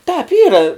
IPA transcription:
tɑːp ˈiːrɐ

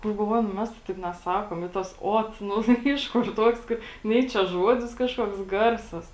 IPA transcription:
nʊ ɡɐlˠˈʋoːjʊ nʊ ˈmʲɛs tɐɪ ˈtɐɪp nʲɛˈsɑːkoːm ɪ tɐs ˈoːt ˈnʊ tɐɪ ˈɪʃ kʊr ˈtuɔks ˈkɐɪ ˈnʲɛɪ t͡ʃʲɛ ˈʒuɔdʲɪs ˈkɑːʃkuɔks ˈɡɐrsɐs

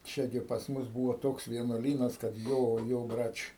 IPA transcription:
ˈt͡ʃʲɛ ɡʲɪ pɐs ˈmʊs ˈbuːʋoː ˈtoːks ʋʲiɛnuɔˈlʲiːnɐs kɐt ˈjoː ˈjoː ˈbrɐt͡ʃʲ

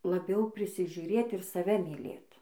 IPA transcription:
lˠɐˈbʲɛʊ pʲrʲɪsʲɪʒʲʊˈrʲeːt ɪr sɐˈʋʲɛ mʲiːˈlʲeːt

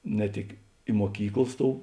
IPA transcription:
nʲɛ ˈtʲɪk ɪ muɔˈkʲiːklˠɐs ˈtoːʊ

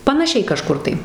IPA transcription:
pɐnɐˈʃʲɛɪ kɐˈʃkʊr tɐɪ

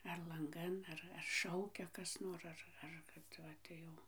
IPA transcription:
ɐr lˠɐŋˈɡɐn ˈɐr ɐr ˈʃɐʊkʲɛ ˈkɐs noːr ˈɐr ɐr kɐt ˈʋɐ tɐɪ jɛʊ

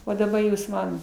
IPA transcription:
oː dɐˈbɐ ˈjuːs ˈmɐn

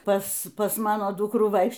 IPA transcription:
ˈpɐs ˈpɐs ˈmɑːnoː ˈdʊkruː ˈʋɐɪkʃ

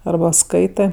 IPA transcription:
ɐrˈbɐ ˈskɐɪtɜ

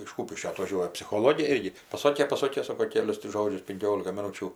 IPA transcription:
ɪʃ ˈkuːpʲɪʃʲkʲoː ɐtʋɐˈʒʲuɔjɛ pʲsʲɪxoːˈlˠoːɡʲeː ˈɪrʲɡʲɪ pɐˈsoːkʲeː pɐˈsoːkʲeː ˈsoːkoː ˈkʲæːlʲʊs tʲɪ ˈʒoːd͡ʒʲʊs pʲɪŋʲˈkʲoːlʲɪkɐ mʲɪˈnuːt͡ʃʲuː

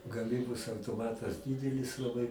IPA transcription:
ɡɐˈmʲiːboːs ɐʊtoːˈmɑːtɐs ˈdʲiːdʲɛlʲɪs lˠɐˈbɐɪ

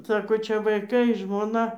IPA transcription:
ˈsɑːkoː ˈt͡ʃʲɛ ʋɐɪˈkɐɪ ʒmoːˈnɐ

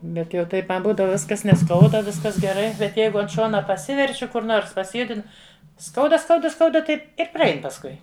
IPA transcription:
ˈbʲɛt jɛʊ ˈtɐɪp mɐ ˈbuːdɐʋɐ ˈʋʲɪskɐs nʲɛˈskɐʊdɐ ˈʋʲɪskɐs ɡʲɛˈrɐɪ bʲɛt ˈjɛɪɡʊ ɐnt ˈʃoːnɐ pɐˈsʲɪʋʲɛrʲt͡ʃʲʊ ˈkʊr ˈnoːrs pɐsʲɪˈjʊdʲɪnʊ ˈskɐʊdɐ ˈskɐʊdɐ ˈskɐʊdɐ ˈtɐɪp ɪr prɐˈɛɪn pɐsˈkʊɪ

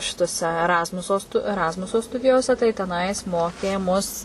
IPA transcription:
ˈʃʲɪtoːsʲɛ ɛˈrɑːzmʊsoː stʊ ɛˈrɑːzmʊsoː ˈstʊdʲɪjoːsʲɛ tɐɪ tʲɛˈnɐɪs ˈmoːkʲeː mʊs

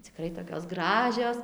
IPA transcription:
t͡sʲɪˈkrɐɪ toːkʲoːs ˈɡrɑːʒʲoːs

